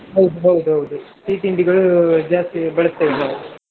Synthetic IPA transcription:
ɦɐwd̪uɦɐwd̪uɦɐwd̪usiːʈiɳɖiɣɐɭud͡ʒaːst̪ibɐɭɐst̪ɐjid̪naː

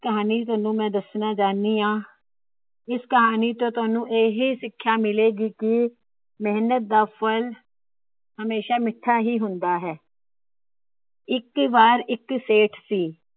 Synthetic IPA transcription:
kəɦaːniːt̪̬ʊaːnũːmɛ̃ːd̪əsnaːd͡ʒaːniːãː | ɪskəɦaːniːt̪õːt̪ʊaːnũːʔeːɦiːsɪkʰːjaːmɪleːɡiːkɪ | mɛːnət̪̚d̪aːpʰəl | həmeːʃaːmɪʈʰːaːɦiːɦʊnd̪aːɦɛː | ɪkbaːɾɪkseːʈʰsiː

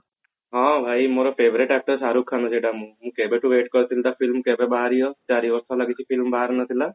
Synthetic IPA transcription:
ɦãbʱajmoɾɔpʰeʋɾiʈak̚ʈəɾsaɾukʰːanɔd͡ʒeʈamũmũkebeʈuʋeʈkɔɾt̪ʰilt̪afʰilmkebebaɦɾijɔt͡ʃaɾiʋɔɾst̪alaɡit͡ʃʰipʰilmbaɦaɾnat̪ʰila

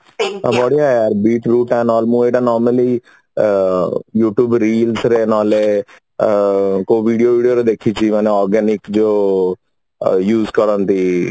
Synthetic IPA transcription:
abɔɽijaaːɾbiːʈɾuːʈɛ̃ːnɔːlmũːeːɖanɔːɾməli | juːʈjuːbɾiːlsɾeːnɔːle | koːʋiːɖijoːʋiːɖijoɾed̪eːkʰit͡ʃimɛ̃ːneɔːɾɡɛːnɪkd͡ʒoː | juːzkəɾə̃nt̪iː

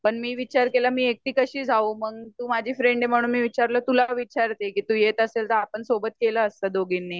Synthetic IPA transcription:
pəɳmiːʋit͡ɕaɾkelamiːek̚t̪iːkəɕiːd͡zʱauməɡ̚t̪uːmad͡ʑʱiːfɾeɳɖem̤əɽ̃uːnmiːʋit͡ɕaɾləːt̪ulaʋit͡ɕaɾt̪ekiːt̪uːjet̪əselt̪əɾapəɳsobət̪keləəst̪əd̪oɡinːi

